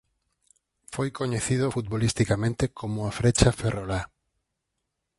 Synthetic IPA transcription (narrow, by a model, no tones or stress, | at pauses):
fojkoɲeθið̞ofut̪̚βolist̪ikamẽnt̪ekʰomʊafɾet͡ʃaferola